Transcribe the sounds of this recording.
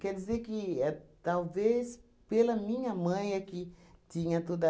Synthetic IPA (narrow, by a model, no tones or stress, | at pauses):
kɛɾd̪izeɾkɪɛt̪awves | pelɐmĩɲɐmɐ̃j̃akit̪ĩɲɐt̪od̪ɐ